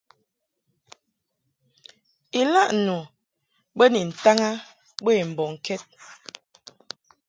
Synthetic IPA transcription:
i˨la˦ʔnu˨ | bə˦ni˨n̩˨ta˦ŋa˦ | be˦˨m̩˨bɔ˨ŋ˨kʰɛ˦t̚

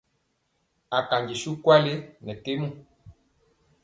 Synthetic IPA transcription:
a˨ka˨ɲɡi˨su˦kwa˦le˦nɛ˨te˦mu˦

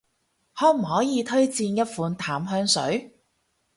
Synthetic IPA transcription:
hɔː˨˥m̩˨˩hɔː˨˥jiː˨˧t̪ʰɵ˥ɥt͡siː˧njɐ˥t̚fuː˨˧nt̪ʰaː˨˥mɦœː˧ŋsɵ̰˨˥ɥ

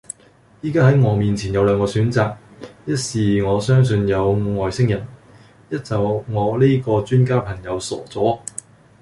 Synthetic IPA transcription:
jiː˥kaː˥hɐ˨˥jŋɔː˨˧miː˨nt͡sʰiː˨˩njɐ˨˧wlœː˨˧ŋkɔː˧syː˨˥nt͡saː˨˧k̚jɐ˥t̚siː˨ŋɔː˨˧sœː˥ŋs̬ɵ˧njɐ˨˧wŋɔː˨jsɪ˥ŋjɐ˨˩n | jɐ˥t̚t͡sɐ˨˩wŋɔː˨˧li˥jkɔː˧t͡ʃyː˥nkaː˥pʰɐ˨˩ŋjɐ˨˧wsɔ̰ː˨˩t͡sɔː˨˥

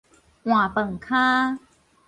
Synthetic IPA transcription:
w̃aː˨˩pɤ˨˩ŋkʰaː˥˩

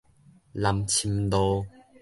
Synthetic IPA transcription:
la˨mt͡ɕʰi˧md̪ɔ˧

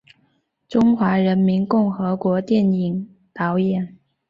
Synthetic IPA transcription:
ʈ͡ʂʊ˥ŋxwa˧˥ɻə˧˥nmi˧˥nkʊ˥˩ŋxɤ˧˥kwɔ˧˥t̪jɛ˥˩ni˨˩ŋ | t̪ɑ˧˥ʊjɛ˨˩˦n

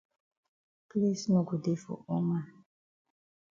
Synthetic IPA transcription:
ple˦sno˨ɡu˨de˦fɔ̰˨ʔo˦ma˦˨

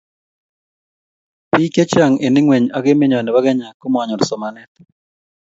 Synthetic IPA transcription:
pi˦ke˦t͡ʃa˨ŋe˨nɪ˦ŋwe˨ɲa˦ɡɪ˦me˦ɲɔ˨nɛ˨ba˦ɡɛ˦ɲa˨ko˦m˦a˨ɲɔ˨ɾsɔ˨ma˨nɛ˦t̪

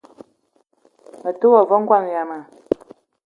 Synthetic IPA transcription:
ə˨tu˦wɔ˨vɔ˦ŋ̩˦ɡwa˦˨m˨ja˨ma˨

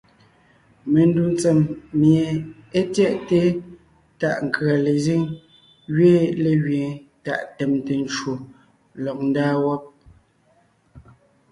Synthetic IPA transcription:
me˨n˦du˨n˦t͡sɛ˨mːje˨ | e˦tjɛ˦ʔte˦ | ta˨ʔŋ̩˨kɰa˨le˨zi˦ŋ | ɣɥe˦le˨ɣɥẽ˨ta̰˨ʔtɛ˨mte˨n˦t͡ʃwo˨ | lɔ˨k̚n̩˦daː˦wɔ˦p̚

